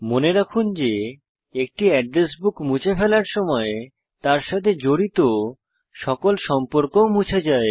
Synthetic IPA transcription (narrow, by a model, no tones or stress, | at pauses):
moneɾakʰund͡ʑe | ek̚ʈiɛɖɾesbukmut͡ɕʰefʰɛlaɾʃɔmɔe | t̪aɾʃat̪ʰed͡ʑoɾit̪o | ʃɔkolʃɔmpoɾkomut͡ɕʰed͡ʑae